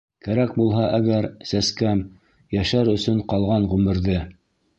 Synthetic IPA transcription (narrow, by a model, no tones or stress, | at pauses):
kæɾæk̚bulˠɦɑʔæɡæɾsæskæm | jæʃæɾɵ̆sɵɴqɑlˠʁɑɴʁʉmɘ̆ɾðɘ